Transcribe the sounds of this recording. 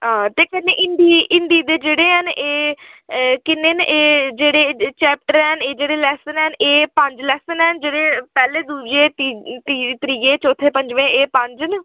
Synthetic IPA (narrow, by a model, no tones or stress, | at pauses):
ɦãːt̪eːkənːeːʔɪnd̪iːɪnd̪iːd̪eːd͡ʒeːɽeːɦəneː | kɪnːeːnʔeːd͡ʒeːɽeːt͡ʃɛːp̚ʈəɾɦɛneːd͡ʒeːɽeːlɛːsənɦənʔeːpəɲd͡ʒlɛːsənɦɛnd͡ʒeːɽeːpɛːleːd̪uːd͡ʒeːt̪it̪iːt̪əɾiːeːt͡ʃɔːt̪ʰeːpə̃ɲd͡ʒʋẽːeːpə̃ɲd͡ʒn